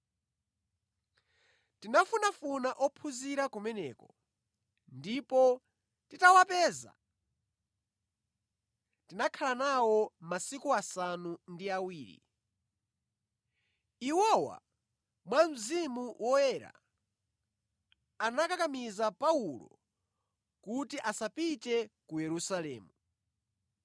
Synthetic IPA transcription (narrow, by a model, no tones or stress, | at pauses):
tinafunafunaʔɔpʰuziɾakumɛnɛ̰ːkɔ | ndipɔ | titawapɛːza̰ | tinakʰalanawɔmasikuasanundiawiːɾḭ | iwɔwa̰ | mwam̩zimuwɔjɛɾa̰ | anakakamizapaulɔ̰ | kutiʔasapitɛkujɛɾusalɛ̰ːmu